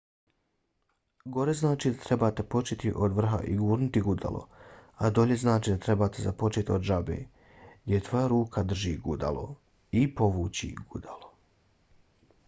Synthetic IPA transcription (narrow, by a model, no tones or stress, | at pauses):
ɡo̞ɾe̞znaːt͡ʃiːd̪at̪ɾe̞baːt̪epo̞t͡ʃet̪iʔod̪ʋr̩ɦa̰ʔiɡuːɾnut̪iɡud̪a̰lʔo̞̰ad̪o̞ʎe̞znaːt͡ʃiːd̪at̪ɾe̞baːt̪ezapo̞t͡ʃet̪iod̪ʒabḛː | ɡd̪jʲet̪ʋo̞jaɾuːkʰad̪r̩ʒiːɡud̪a̰lˠo̞̰ | ipo̞ʋuːt͡ɕḭɡ̥ud̪alo̞